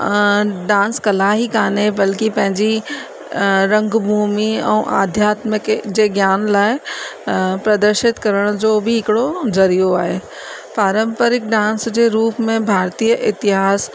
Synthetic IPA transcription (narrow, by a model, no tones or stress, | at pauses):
ɖãːnskɐlaːɦikaːnebɐlkipɐ̃ɦɪ̃ɲd͡ʑi | ɾɐ̃ŋɡbʱuːmiɛ̰̃ːʔa̰ːd̪ʱjaːt̪mɪkd͡ʑeːɡjaːnlaːɪ | pɾɐd̪əɾʃɪt̪kɐɾəɽ̃d͡ʑoːbɪɦɪkɪɽozɐɾijoaːɦeː | paːɾə̃mpəɾɪk̚ɖãːnsd͡ʑeɾuːpmẽbʱaːɾt̪iːəʔɪt̪ɪɦaːs